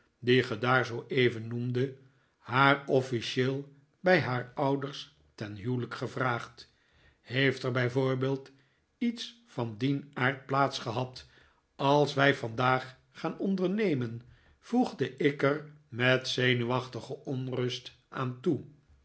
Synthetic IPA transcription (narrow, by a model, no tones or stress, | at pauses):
diχədaːɹzowʔejvənːumdə | haːrɔfiʃeːlˠ | bɛjɦaːɹʌwdəɹs | tɛnɦywləkχəvraːχt | hejftəɹbɛjvʊːɹbeːlˠt | its | fɑndinaːɹt̚plaːtsχəɦɑt | ɑlˠsʋɛjvɑndaːχ | χaːnɔndəɹnejmən | v̥uχdəʔɪkər | mɛtsejnyʋɑχtəχəʔɔnrɵst | ʔaːntu